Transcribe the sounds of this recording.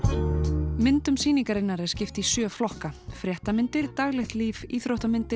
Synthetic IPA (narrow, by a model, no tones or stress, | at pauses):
mɪnt̪ʏmsiːniŋkaɾɪnːaɾɛ̥scɪft̪isjœːflɔhkafɾjɛht̪amɪnt̪ɪɾ̥t̪aɣlɛxt̪liːviːθɾowht̪amɪnt̪ɪ